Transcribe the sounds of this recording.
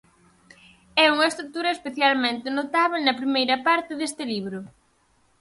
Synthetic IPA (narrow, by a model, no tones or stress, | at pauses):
ɛuŋɐest̪ɾut̪uɾɐespeθjalmẽnt̪ɪnot̪aβenɐpɾimejɾɐpaɾt̪ɪðest̪ɪliβɾʊ